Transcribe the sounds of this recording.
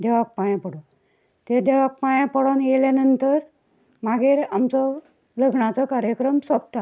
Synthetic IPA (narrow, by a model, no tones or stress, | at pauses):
d̪eʋak̚pajãpəɽo | t̪ed̪eʋak̚pajãpəɽonjeljanənt̪əɾ | maɡiːɾamt͡sɔ | ləɡɳat͡sɔkaɾjəkɾəmsʋəb̚t̪a